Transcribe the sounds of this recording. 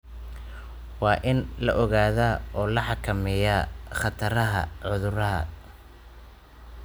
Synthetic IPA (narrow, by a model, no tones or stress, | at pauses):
wɑːʔɪnlɐʔɔɣaːðaːɔːlɐħɑkʰɐmɛjaχɑt̪ʰɐɾɐɦɐ̰ʕʊðʊrɐɦɐ̰